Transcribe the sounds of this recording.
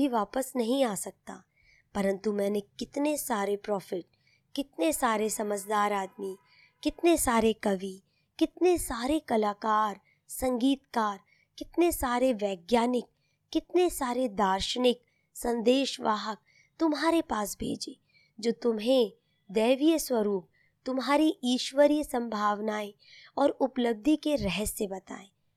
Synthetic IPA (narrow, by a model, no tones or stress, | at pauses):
iʋaːpəsnɐɦĩaːsɐk̚t̪a̰ | pɐɾə̃nt̪umɛ̃ːnekɪt̪nesaːɾepɾɔːfɪʈ̚ | kɪt̪nesaːɾesɐməd͡ʒʱd̪aːɾaːd̪mi | kɪt̪nesaːɾekɐʋi | kɪt̪nesaːɾekɐlaːkaːɾ | sɐ̃ŋɡiːt̪kaːɾ | kɪt̪nesaːɾeʋɛːɡjaːnɪk̚ː | ɪt̪nesaːɾed̪aːɾʃənɪk | sɐ̃nd̪eːʃʋa̰ːɦək̚ | t̪ʊmɦaːɾepaːsbʱḛːd͡ʒeː | d͡ʒoːt̪ʊmɦẽ | d̪ɛːʋijəswəɾuːp̚ | t̪ʊmɦaːɾiʔiːʃʋəɾjəsɐ̃mbʱaːʋnaːe | ɔːɾʊpləb̚d̪ʱikeɾɛɦəsːebɐt̪a̰ːẽː